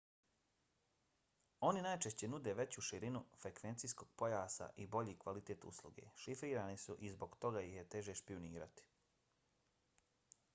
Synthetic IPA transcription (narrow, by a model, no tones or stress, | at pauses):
o̞ninajt͡ʃe̞ʃt͡ɕe̞nud̪e̞ʋe̞t͡ɕuʃiɾinufɾe̞kʋe̞nt̪sijsko̞ɡ̥̚po̞jaːsa̰ʔibo̞ʎiːkʋalit̪e̞ːt̪ṵslˠṵɡe̞̰ʃifɾiːɾaːnisuʔizbo̞ɡt̪o̞ɡajiçjet̪e̞ʒeʃpiuniːɾa̰t̪i̥